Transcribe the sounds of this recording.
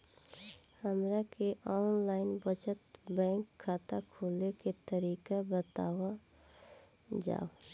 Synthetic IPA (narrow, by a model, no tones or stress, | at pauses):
həmɾakeʔɔːnlaːɪnbət͡ʃət̪bɛ̃ːŋkʰːaːt̪akʰoːleket̪əɾiːkabət̪aːwa | d͡ʒa̰ːo